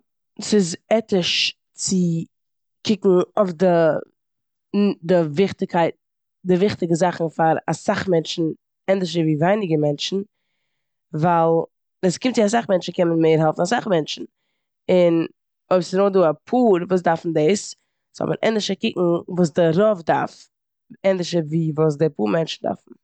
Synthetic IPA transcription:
sɪzɛtɪʃ | t͡sɪ | kɪkŋ̩ɔfdɪ | dɪvɪχtɪkʰaɪt̚ | dɪvɪχtɪɡəzaχn̩faɾa̰saχmɛnt͡ʃn̩ | ɛndɪʃ̬əviːvaɪnɪɡəmɛnt͡ʃn̩ | valˠ | əskɪmtt͡sɪas̬aχmɛnt͡ʃn̩kɛmənmeɪɾɦɛlˠfn̩asaχmɛnt͡ʃn̩ | ɪn | oɪbsɪnoːduːapʰuːɾvuːs̬daɾfn̩deɪs | shɔ̰bənʔɛ̰ndɪʃəkɪkŋ̩vuːs̬dɪɾɔvda̰ɾf | ɛndɪʃəviːvuːs̬dɪpuːɾmɛnt͡ʃn̩da̰ɾfn̩

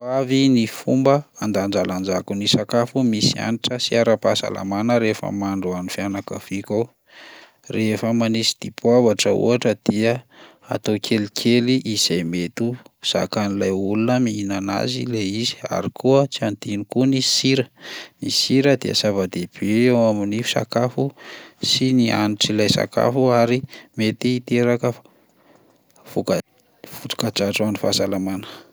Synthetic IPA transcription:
avinifumbəand̪and͡ʒaland͡ʒakunisakafumisia̰niʈ͡ʂəsiaɾapasa̰lʔa̰manəɾefə̰maɳɖ͡ʐuanifjanakav̥ika | refəmanisi̥d̪̥ibwavaʈ͡ʂəṵaʈ͡ʂəd̪̥iə | a̰t̪okʰelikʰeliʔiz̥ajmet̪uz̥a̰kanilajulunəmiinana̰zileizi̥a̰ɾikʰuət͡siand̪inikunisiɾənisiɾəd̪iə̰zavad̪eb̥eewaminifi̥sa̰kafusiniʔa̰niʈ͡ʂilajsa̰ka̰fuaɾimet̪iːt̪eɾakəf | fukə | fut͡su̥kad͡ʒaʈ͡ʂanifasalamanə̥

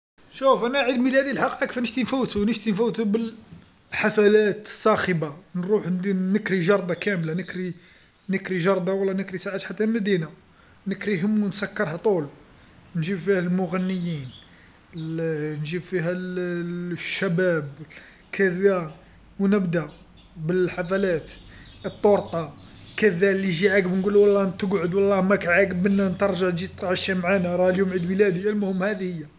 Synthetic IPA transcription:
ʃufʔænæʕid̪milhæd̪ilħɑqiʔɑkfænəʃt̪infuwt̪unəʃt̪infæwt̪ubəl | ħafælæt̪ə̥sˤːɑxəbanɾˤuħd̪inəkɾiʒɑɾˤd̪ˤɑkæmlanəkɾi | nəkɾiʒɑɾˤd̪ˤɑwlːænəkɾisaʕət̪ħat̪ːæmæd̪ina | nəkɾiɦəmwnsækːəɾˤhæt̪ˤul | nʒibfihælmʊɣænːəjːin | nʒibfiɦæl | ʃːæbæb | kʰæðæ | wnəbd̪æ | bəlħafælæt̪ət̪ˤːoɾt̪ˤɑkəðælːiʒiʕakbnɡulːwɑlˤːɑt̪əɡʕʊd̪wɑlˤːɑmækʕaɡəbənːænt̪əɾˤʒaʕt̪ʒit̪t̪ˤʕʃimʕanæɾˤɑljumʕid̪məlæd̪iælmʊhəmːhæd̪ihəjːæ

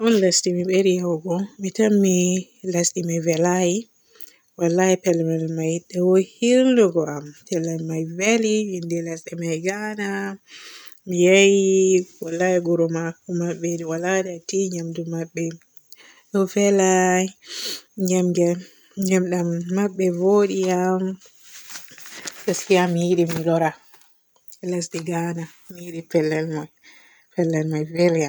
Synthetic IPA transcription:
ʔɔnlastimiɓeɾijawɡɔmitamːi | lastimivɛlaji | walːaɛpɛlɛmɛlmajɗɛwɔhiɾnɔɡɔampɛlːamajveliwindɛlasɗɛmajɡana | mijajiwalːajɛɡuɾɔmakːumaɓːɛdɛwaladɛatiɲamdumaɓːɛ | ɗɔfɛlaj | ɲamɡɛ | ɲamɗamːaɓːɛvoɗijam | laskijamːijiɗimilɔɾa | ɛlas̬ɗɛɡana | mijiɗipɛlːɛlmaj | pɛlːɛlmajvɛɾjam

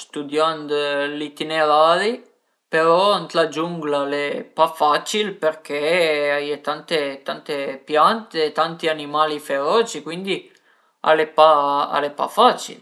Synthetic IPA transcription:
st̪ud̪jand̪olit̪ineɾaːɾi | peɾɔant̪lad͡ʒuŋɡlalepafat͡ʃilperk̟eajet̪ant̪et̪ant̪epjant̪et̪ant̪ianimaːlifeɾɔːt͡ʃikwind̪i | a̰lepaa̰lepa̰faːt͡ʃḭl

